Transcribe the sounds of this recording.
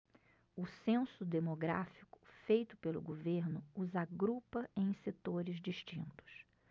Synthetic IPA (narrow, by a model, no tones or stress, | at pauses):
ʊsẽsʊd̪emoɡɾa̰fi̥kʊ̥fejt̪ʊ̥pelʊ̰ɡoveɾnʊːzaɡɾupɐẽj̃set̪oɾɪzd͡ʒiʃt͡ʃĩnt̪ʊ̥s